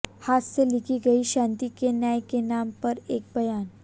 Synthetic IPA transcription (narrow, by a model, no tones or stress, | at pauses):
hasselikʰiɡəiɕãnt̪ikenjajkenampəɾek̚bəjan